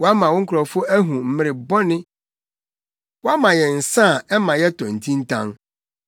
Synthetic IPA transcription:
wɔ˦a˦mã˨wʊ̃˦ŋ̩˦kʰʊ˨ɾɔ˨fʊ˦æ˦ɦũ˨m̩˨mɪ̃˦ɾɪ˨bɔ˦nɪ̃˦ | wɔ˦a˦mã˨jɛ˨n̩˨sã˦˨ɛ˦mã˨jɛ˦tʰɔ̃˨n̩˨tʰĩ˦n̩˦tʰã̰˦ŋ

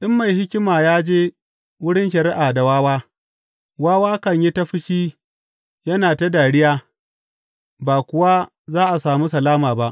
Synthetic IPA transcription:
ʔɪ˦mːa˨jhɪ˦kʲɪ˦maː˨jaː˦d͡ʒeː˦ | wʊ˦ɽɪ˦nʃɐ˨ɾɪ˦ʔaː˨da˨waː˦waː˦ | waː˦waː˦kɐ˦ɲji˦ta˦ɸɪ˦ʃiː˦ | jɐ˦naː˨ta˦daː˨ɽɪ˦jaː˦ | baː˨kʷʊ˨wa˦ | zaː˦ʔa˨saː˨muː˦sɐ˨laː˦maː˨ba˦ʔ

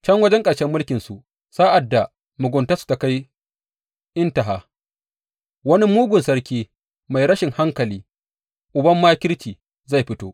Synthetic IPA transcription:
t͡ʃɐ˦ŋwɐ˦d͡ʒɛ˦ŋkʼɐ˨ɽʃɛ˦mːʊ˦lkʲɪ˨nsu˨ʔ | saː˦ʔa˨dːa˨ | mʊ˨ɡʷʊ˨nta˦su̥˨˦ta˨ka˦j | ʔɪ˦ntɐ˨ɦaː˦˨ | wɐ˦ni˦muː˦ɡʷʊ˨nsɐ˦ɾkʲiː˦ | ma˨jɾɐ˦ʃɪ˨ŋha˦ŋkɐ˨liː˦ | ʔʊ˨bɐ˦mːaː˦kʲɪ˦lt͡ʃiː˨ | za˦˨jɸɪ˦toː˦ʔ

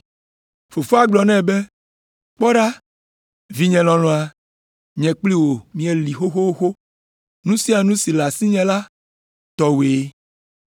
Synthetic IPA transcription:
fo˨fo˦a˦ɡ͡blɔ˨nɛ̃˦˨be˦ | k͡pɔ˦ɖa˦ | vi˦ɲɛ̃˨lɔ̃˨lɔ̃˨a˨ | ɲɛ̃˨k͡pli˦wo˨mĩ˨e˨li˨xo˦xo˦wo˦xo˦ | nũ˦sĩ˦a˨nũ˦si˨la˨si˦ɲɛ̃˨la˦ | t̪ɔ˨we˨˦

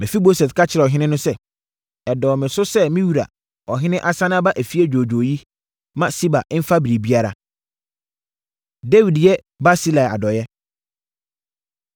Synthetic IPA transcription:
mɪ̃˨fi˦mo˦sɛ˨skʰa˦t͡ɕʰɪ˨ɾɛ˨ɔ˨ɦɪ̃˦nɪ̃˦nʊ̃˦sɛ˦ | ɛ˨dɔ˨mɪ̃˨sʊ˦sɛ˦mɪ̃˦wu˨ɾa̰˨ | ɔ˨ɦɪ̃˦nɪ̃˦ʔa˦sã˦nã˦ba˦ʔæ˨fi˦ɛ˦d͡ʑᶣoː˨d͡ʑo˨ji˦ | mã˦si˦ba̰˨ʔɪ˦m̩˦fa˦bi˨ɾi˨bi˦a˦ɾa̰˨ | de˦wi˨djɛ˦ | ba˦si˦la˨a̰˨dɔ˨jɛ˦

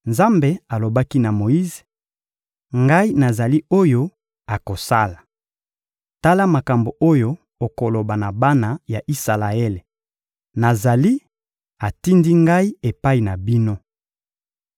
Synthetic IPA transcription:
nza˦mbe˦a˨lo˨ba˦ki˦na˨mo˨i˦ze˨ | ŋɡa˦i˦na˨za˨li˦o˦jo˦ | a˨ko˨sa˦la˨ | ta˦la˦ma˨ka˨mbo˨ʔo˦jo˦ | o˨ko˨lo˨ba˨na˨ba˦na˨ja˨ʔi˦sa˨la˨e˦le˨ | na˨za˨li˦ | a˨ti˦ndi˦ŋɡa˦i˦e˨pa˦i˨na˨bi˦no˦

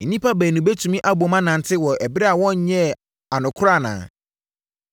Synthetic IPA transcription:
n̩˨nĩ˦pʰa˦bæ˨nũ˨be˦tʰũ˨mĩ˦ʔa˦bu˨o˨mã˦nã˨n˨tʰɪ˦wɔ˨ʔæ˨bɾɛ˦a˨wɔ̃˦ɲ˦ɲɛ̃˦ | a˨nʊ̃˨kʰʊ˦ɾa˦˨nã̰ː˨

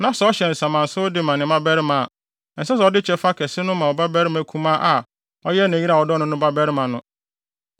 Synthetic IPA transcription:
nã˨˦sa˨ɔ˦ɕɛ˨n̩˨sã˨mã˨n̩˨sʊ˦ʊ˦dɪ˦mã˨nɪ̃˨mã˦bɛ˦ɾɪ˦mã˨a˨ | n̩˨sa˦s̬a˨ɔ˦dɪ˦t͡ɕʰɛ˦fa˦kʰɛ˨sɪ˦nʊ̃˦mã˨ɔ˨ba˦bɛ˦ɾɪ˦mã˨˦kʰũ˦mã˦ʔa˨ | ɔ˦jɛ˦nã˨i˦ɾa˨ɔ˨dɔ˦nʊ̃˦nʊ̃˦ba˦bɛ˦ɾɪ˦mã˨nʊ̃˦

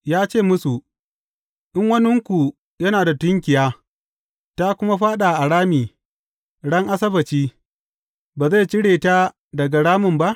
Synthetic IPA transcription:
jaː˦t͡ʃeː˦˨mʊ˦su˨ | ʔɪ˦ŋwɐ˦nʊ˦ŋkʷu˨ | jɐ˦naː˨da˨tʊ˦ŋkʲɪ˨jaː˦ | ta˦kʷʊ˦ma˦ɸaː˦ɗa˨ʔa˨ɽaː˦miː˨ | ɽɐ˦ŋʔa˦sɐ˦bɐ˨t͡ʃiː˦ | baː˨za˦˨t͡ʃɪ˦ɽeː˨ta˦ | dɐ˨ɡa˨ɽaː˦mʊ˨mba˦ʔ

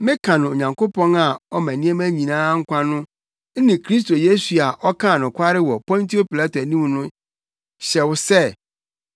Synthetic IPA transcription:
mɪ̃˦kʰã˨nʊ̃˨o˨ɲã˨ŋko˦pɔ̃˦na˨ɔ˦mæ̃˨nĩ˦e˦mæ˦ɲĩ˨nãː˦ŋ̩˦kʷʰã˦nʊ̃˦ | nɪ̃˨kʰɾi˦s̬to˨je˦su˨a˨ʔɔ˦kʰã˦˨nʊ̃˨kʰʷa˦ɾɪ˦wɔ˨pɔ̃˦n˦tʰi˦o˦pi˨la˦tæ˨nĩ˦m˨nʊ̃˦ | ɕɛ˨wʊ˦sɛ˦˨

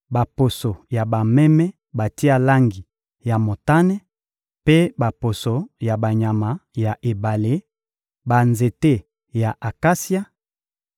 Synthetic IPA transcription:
ba˨po˨so˨ja˨ba˨mɛ˦mɛ˦ | ba˨ti˦a˦la˦ŋɡi˨ | ja˨mo˨ta˦nɛ˦ | pe˦ba˨po˨so˨ja˨ba˨ɲa˨ma˨ja˨ʔe˨ba˨le˦ | ba˨nze˨te˦ | ja˨ʔa˨ka˦si˦a˦

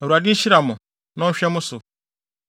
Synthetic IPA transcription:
e˨ɾu˨a˨di˦ʃi˦ɾa˨mʊ˨ | nɔ̃˦ʃᶣe˦mʊ˦sʊ˨

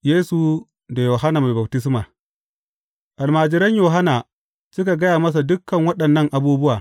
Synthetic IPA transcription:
jeː˦su˨ | da˨joː˨ɦa˦na˨ma˨ba˨b̚tɪ˦s̬maː˨ | ʔa˨lmaː˨d͡ʒɪ˨ɾɐ˦ɲjoː˨ɦa˦na˨ | sʊ˦k̬a˨ɡɐ˦jaː˨mɐ˦s̬a˨dʊ˦kːɐ˨ŋwɐ˦ɗɐ˨nːɐ˦ŋʔa˨buː˦bʊ˦waː˨

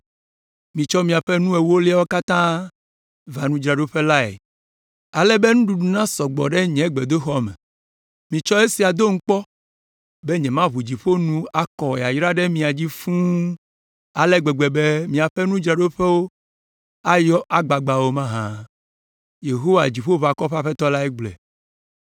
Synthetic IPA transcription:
mĩ˨t͡ʃɔ˦mĩ˨a˨ɸe˦nũ˦e˨wo˦li˦a˦wo˦ka˦t̪ã˦ | va˨nũ˦d͡ʒɾa˨ɖo˦ɸe˦la˦ḛ˨ | a˨lɛ˦be˦nũ˦ɖu˨ɖu˨nã˦sɔ˨ɡ͡bɔ̰˨ɖe˦ɲɛ̃˨˦ɡ͡be˨d̪o˦xɔ˦mɛ̰˨ | mĩ˨t͡ʃɔ˦e˦si˨a˨d̪o˦ŋ̩˦k͡pɔ˦ | be˦ɲɛ̃˨mã˦βu˨d͡ʑi˨ɸo˦nũ˦a˨kɔ˨e˨a˨jɾa˦ɖe˦mĩ˨a˨d͡ʑi˦fũ˦ | a˨lɛ˦ɡ͡bɛ˨ɡ͡be˨be˦mĩ˨a˨ɸe˦nũ˦d͡ʒɾa˨ɖo˦ɸe˦wo˦ | a˦jɔ˦ʔa˨ɡ͡ba˨ɡ͡ba˨wo˦mã˦ɦã˦ | je˨ɦo˦wa˨d͡ʑi˨ɸo˦βa˨kɔ˦ɸa˦ɸe˦t̪ɔ˦la˦ɛ˦ɡ͡blɛ̰˨

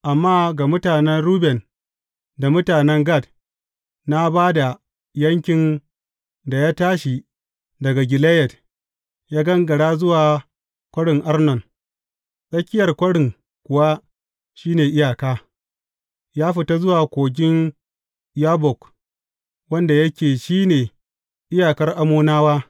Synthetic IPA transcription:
ʔa˨mːaː˦ɡa˨mʊ˦taː˨nɛ˦nɾuː˦bɛ˨n | da˨mʊ˦taː˨nɛ˦ŋɡa˦˨d | na˦baː˦da˨ | jɐ˦ŋkʲɪ˨n | da˨jaː˦taː˦ʃi˨ | dɐ˨ɡa˨ɡʲɪ˨le˦jɛ˨d | jaː˦ɡɐ˦ŋɡɐ˨ɽaː˦zʊ˦waː˨ | kʷɐ˦ɽɪ˨ŋʔa˦rnɔ˨n | sʼɐ˦kʲɪ˦jɐ˨rkʷɐ˦ɽɪ˨ŋ | kʷʊ˨wa˦ | ʃiː˦neː˨ʔɪ˦jaː˨kaː˦ | jaː˦ɸɪ˨ta˦zʊ˦waː˨kʷoː˨ɡʲɪ˦n | jaː˦bɔ˨k | wɐ˦nda˨jɐ˦kʲeː˨ʃiː˦neː˨ | ʔɪ˦jaː˨kɐ˦rʔa˨muː˦naː˦waː˦

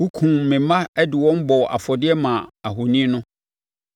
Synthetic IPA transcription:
wu˦kʰũ˨mɪ̃˨mã˦ɛ˦dɪ˨wɔ̃˦m˦bɔ˨ʔa̰˨fɔ˨dɪ˦ɛ˦mã˨a˨ɦʊ˨nĩ˦nʊ̃˦

